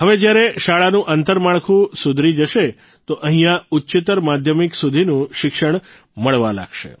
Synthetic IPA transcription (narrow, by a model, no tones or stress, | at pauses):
ɦəʋed͡ʒjaɾeʃaɭanũʔənt̪əɾmaɭkʰũsʊd̪ʱɾid͡ʒəʃe | t̪oʔəɦĩjãʊtːt͡ʃɪt̪əɾmad̪ʱjəmiksud̪ʱinũʃɪkʃəɳ̃ | məɭʋala̰ɡʃḛ